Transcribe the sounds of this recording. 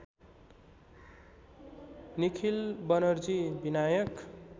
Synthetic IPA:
nikʰilbʌnʌɾd͡zibinajʌk

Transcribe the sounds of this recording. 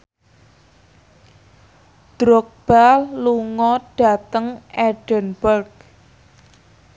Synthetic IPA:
d̥ɾok̚b̥alluŋɔɖ̥a̤t̪əŋʔɛɖ̥ənbərɡ

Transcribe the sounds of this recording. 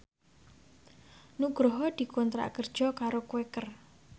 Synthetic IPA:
nuɡ̥ɾɔɦɔd̪̥i̤kɔnt̪ɾa̰kərd̥ʒ̥ɔ̤kaɾokwekər

